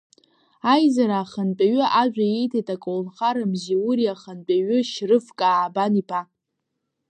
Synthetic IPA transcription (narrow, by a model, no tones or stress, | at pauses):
ajzaɾaːχənt͡pʼaɥʏʔaʒʷᶣajejtʰajtʼakʼolnχaɾɨmziuɾiaχənpʼaɥʏʃrɨfkʼaːbanipʰa